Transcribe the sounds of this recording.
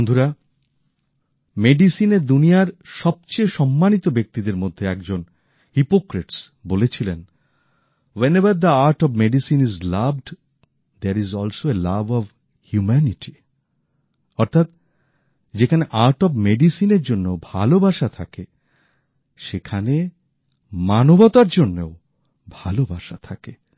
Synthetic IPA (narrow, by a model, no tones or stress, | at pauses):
ond̪ʱuɾa | meɖisineɾd̪unijaɾʃɔb̚t͡ɕejʃɔmːanit̪obek̚t̪id̪eɾmod̪ʱːeɛk̚d͡ʑon | hipokɾeʈsbolet͡ɕʰilen | wenebɐɾd̪əaɾʈɔbmeɖisinizlabɖ | d̪eɾizɔlsoelabɔv | hjumɛniʈʰi̥ | ɔɾt̪ʰat̪ | d͡ʑekʰaneʔaɾʈɔbmeɖisineɾd͡ʑonːeobʱalobaʃat̪ʰake | ʃekʰane | manobɔt̪aɾd͡ʑonːeo | bʱalobʱaʃat̪ʰake